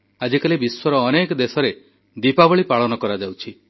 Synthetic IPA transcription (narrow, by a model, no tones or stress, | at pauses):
ad͡ʒikalibiswɔɾɔːnekd̪esɔɾe | d̪ipabɔɭipaɭɔnɔkɔɾad͡ʒawt͡ʃʰi